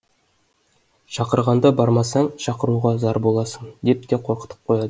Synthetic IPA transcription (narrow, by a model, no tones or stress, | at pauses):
ʃɑqəɾʁɑnd̪ɑbɑɾmɑsɑɴʃɑqəɾuʁɑzɑɾbo̞lˠɑsənd̪e̞p̚t̪eqʰo̞ɾqə̥t̪əp̚qʰo̞jɑd̪ə